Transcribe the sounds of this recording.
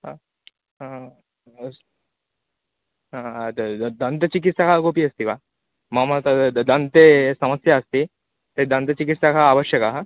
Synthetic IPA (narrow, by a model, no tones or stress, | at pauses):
ɦã | ɦa | ɦã | d̪ənt̪ət͡ʃik̬it̪sakaɡopiɐst̪iʋa | mamat̪ad̪ənt̪esɐməsjaːst̪i | t̪ed̪ə̃nt̪ət͡ʃikit̪sakʰaːʋəɕjəkaɦa